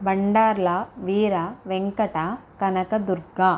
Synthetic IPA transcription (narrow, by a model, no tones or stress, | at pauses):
bɐɳɖaːɾlaːʋiːɾaːʋeŋkɐʈaːkɐnɐkɐd̪uɾɡaː